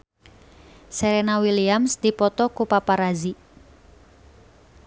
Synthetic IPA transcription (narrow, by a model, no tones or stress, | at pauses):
seɾenawiliamsd̪̥ipɔt̪ɔkupapaɾazi